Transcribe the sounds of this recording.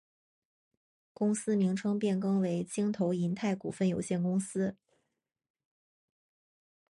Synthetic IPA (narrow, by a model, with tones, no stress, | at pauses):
kʊ˥ŋsɹ̩˥mi˧˥ŋʈ͡ʂʰɤ˥ŋpjɛ˥˩nkɤ˥ŋwe˧˥ɪt͡ɕi˥ŋt̪ʰo˧˥ʊi˧˥nt̪ʰa˥˩ɪkṵ˨˩fə˥˩njo˨˩ʊɕjɛ˥˩nkʊ˥ŋsɹ̩˥